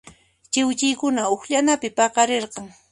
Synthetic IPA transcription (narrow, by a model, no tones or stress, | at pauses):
t͡ʃɪwt͡ʃɪjkʊnaʊxʎanapɪpɑqɑɾeɾqɑŋ